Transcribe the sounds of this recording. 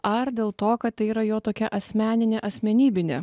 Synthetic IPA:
ɐɾd̪ʲeːlˠt̪oːkɐt̪̚t̪ɐɪiːɾɐjoːt̪oːkʲɛʔɐsʲmʲæːnʲɪnʲeːʔɐsʲmʲɛnʲiːbʲɪnʲḛː

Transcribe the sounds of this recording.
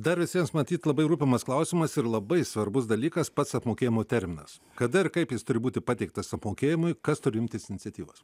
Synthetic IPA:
d̪ɐɾʋʲɪsʲiɛmsmɐt̪ʲiːt̪lˠɐbɐɪɾuːpʲɪmɐsklˠɐʊsʲɪmɐsɪɾlˠɐbɐɪsʋɐɾbʊs̬d̪ɐlʲiːkɐspɐt̪sɐpmoːkʲeːjɪmoːt̪ʲɛɾʲmʲɪnɐ̰s | kɐd̪ɐɪɾkɐɪpjɪst̪ʊɾʲɪbuːt̪ʲɪpɑːt̪ʲɛɪk̚t̪ɐsɐpmoːkʲeːjɪmʊɪkɐst̪ʊɾʲɪɪmʲt̪ʲɪsɪnʲɪt̪sʲɛt̪ʲiːʋo̰s

